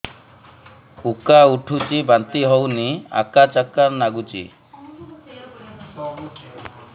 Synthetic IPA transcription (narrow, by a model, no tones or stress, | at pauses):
ukauʈʰut͡ʃibant̪iɦownia̰kat͡ʃakaɾnaɡut͡ʃḭ